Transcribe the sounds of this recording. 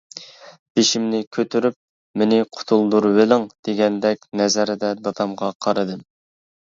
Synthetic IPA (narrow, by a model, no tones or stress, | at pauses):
b̥eʃimnɪkʲʰøt̪ʰyɾyp̚ | mɪnɪqʰʊ̥t̪ʰulˠd̪uɾwelɪŋd̪̥eɡʲɛnd̪ɛkʲnɛzæɾɪd̪ɛd̪ɑt̪ʰɑmʁɑqʰɑɾɨd̪ɨm